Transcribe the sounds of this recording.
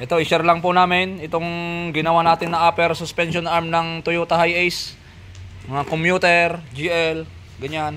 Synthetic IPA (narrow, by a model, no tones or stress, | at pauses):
ʔɛt̪o̞ʔɪʃɛɾlɐŋpʊnaːmɪnʔɪt̪o̞ŋɡɪnɐwanaːt̪ɪnːɐŋʔapɛɾsʊspɛnʃonaɹmnɐŋt̪ʊjot̪ɐhajʔɛjs | mɐŋakomjuːt̪ɛɾd͡ʒiʔɛl | ɡɐɲan